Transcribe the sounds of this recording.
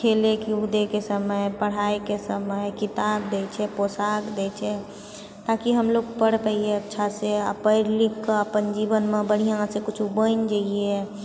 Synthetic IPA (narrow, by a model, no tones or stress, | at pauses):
kʰelekiud̪ekesəməjpəɽ̤ajkesəməjkit̪ab̚d̪ɛt͡ʃʰɛposakd̪ɛt͡ʃʰɛ | t̪akiɦəmloɡpəɽpɛieətːʃʰasea̰pəɪɾlikːəpənd͡ʒibənmebəɽ̤ijãsẽkut͡ʃʰubənd͡ʒaie